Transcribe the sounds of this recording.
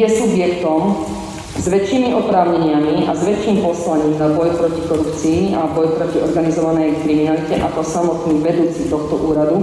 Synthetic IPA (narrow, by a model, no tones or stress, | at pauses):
ɛsubjɛkt̪ɔm | zʋɛt͡ʃiːmiʔɔpɾaːʊɲɛɲɪamiʔa̰zʋɛt͡ʃːiːmpɔslaɲiːmd̪abɔjpɾɔcikɔɾupt͡siːabɔjpɾɔciɔɾɡanizɔʋanɛjkɾiminalicɛʔakɔsamɔt̪niːɣʋɛd̪uːt͡sit̪ɔxt̪ɔʔuːɾad̪u